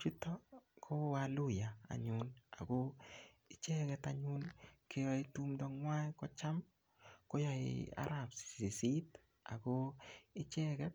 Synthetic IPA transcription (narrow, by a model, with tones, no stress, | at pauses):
t͡ʃi˦tɔ˦kʰo˦walʊ˦ja˨a̰˨ɲʊ˦na˨ɡo˦ | ɪ˦t͡ʃɛ˦ɡɛta˦ɲʊ˦nke˦jɔ˦ɪ˦tu˦mdɔ˦ŋwa˦kɔ˦t͡ʃa˦m | ko˦jɔ˨ɪ̰a̰˦ɾa˨pssi˨si˦t | a̰˨ɡo˦ɪ˦t͡ʃɛ˦ɡɛ˦t̚